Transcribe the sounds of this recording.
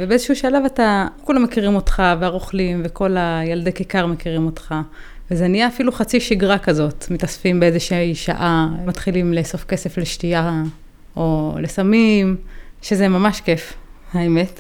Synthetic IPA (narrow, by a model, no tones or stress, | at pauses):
vebeezeʃɛhuʃalavatakulamːekiʁimo̞tχaveaʁoχlimveko̞lajaldekikaʁmekiʁimo̞tχa | vezenijaːfiluχat͡siʃiɡʁakazo̞tmitasfimbeezeʃiiʃa̰ʔamatχilimleso̞fkese̞fleʃtia | olesamimʃezemamaʃke̞fhaeme̞t